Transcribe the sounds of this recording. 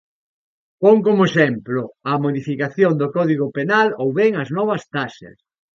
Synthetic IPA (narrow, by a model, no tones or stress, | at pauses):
poŋkomoesɛmplʊɐmoðifikaθjoŋd̪ʊkɔðiɣopenalowβɛŋɐznɔβɐst̪aʃɐ̰s